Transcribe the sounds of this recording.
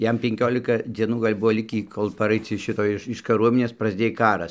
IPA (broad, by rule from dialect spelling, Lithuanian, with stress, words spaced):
ˈjɛm pʲɛŋʲˈkʲoːlʲɪkɐ ˈd͡zʲiɛnuː ɡɐlʲ ˈbʊʋoː ˈlʲɪkʲiː koːlˠ pɐˈrɐɪt͡s ɪʃ ˈʃʲɪtoː ˈɪʃ ɪʃ kɐˈruɔmʲɪnʲeːs prɐzʲˈdʲeːj ˈkɑːrɐs